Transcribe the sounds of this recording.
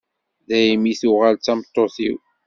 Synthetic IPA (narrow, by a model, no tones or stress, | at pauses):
ðæjimiθuʁalt͡sːæmt̪ˤːoθḭw